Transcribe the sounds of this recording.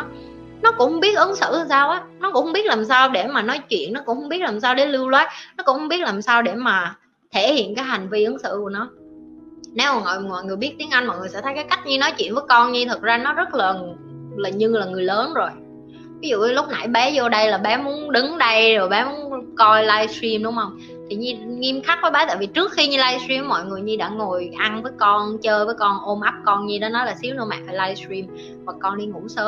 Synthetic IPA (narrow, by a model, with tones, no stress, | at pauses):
nɔ˨˦kʊ̰˧˥ŋ͡mhŋ͡mɓi˦˥ət̚ʔə˨˦nsɨ̰˧˨˩saː˧wʔaː˨˦nɔ˨˦kʊ˧˥ŋ͡mhŋ͡mɓi˦˥ət̚laː˨˩msaː˧wɗe˧˩maː˨˩nɔ˨˦jt͡ɕwḭ˧˨ənːɔ˨˦kʊ̰˧˥ŋ͡mhʊ˧˥ŋ͡mɓi˦˥ət̚laː˨˩msaː˧wɗe˧˩lɨ˧wlaː˨˦j̚nɔ˨˦kʊ˧˥ŋ͡mhɓi˦˥ət̚laː˨˩msaː˧wɗe˧˩maː˨˩ | t̪ʰe˧˩hḭ˧˨ənkaː˨˦jha˨˩jŋ̟vi˧ʔə˨˦nsɨ̰˧˨ku˧˩ənɔ˨˦ | nɛ˨˦wmaː˨˩ŋɔ̰˧˨jŋwa̰ː˧˨jŋɨ˨˩jɓi˦˥ət̚t̪i˨˦ənʔa˧ŋmɔ̰˧˨jŋɨ˨˩jsɛ̰˧˥t̪ʰə˨˦jkaː˨˦jka˦˥k̟̚ɲɨ˧nɔ˨˦jt͡ɕwḭ˧˨ənvəː˨˦jkɔ˧nɲi˧t̪ʰə˨˩t̚zaː˧nɔ˨˦zə˦˥t̚laː˨˩laː˨˩ɲɨ˧laː˨˩ŋɨ˨˩əjləː˨˦nzo˨˩j | vi˨˦zṵ˧˨˦lʊ˦˥k͡p̚na̰˧˩jɓɛ˨˦zɔ˧ɗə˧jlaː˨˩ɓɛ˨˦mu˨˦ənɗɨ˨˦ŋɗə˧jzo˨˩jɓɛ˨˦mu˨˦nkɔ˧jlaː˧jstɾi˧mɗʊ˨˦ŋ͡mhə˧wŋ͡m | t̪ʰi˨˩ɲi˧ŋi˧mxa˦˥k̚vəː˨˦jɓaː˨˦t̪a̰ː˧˨˩vi˨˩t͡ɕɨ˦˥ək̚xi˧ɲi˧laː˧jsɹi˧mːɔ̰˧˨jŋɨ˨˩əjɲɨ˧ɗa̰ː˧˥ŋo˨˩jʔa˧nvəː˨˦jkɔ˧nt͡ɕəː˧jvəː˨˦jkɔ˧nʔo˧mʔa˦˥p̚kɔ˧nɲi˧ɗɔ˨˦nɔ˨˦jlaː˨˩si˨˦wnɨ̰˧ma̰ː˧˨faː˨˩jlaː˧jsɹi˧m | vwa˨˩kːɔ˧nɗi˧ŋʊ̰˧˥ŋ͡msəː˨˦m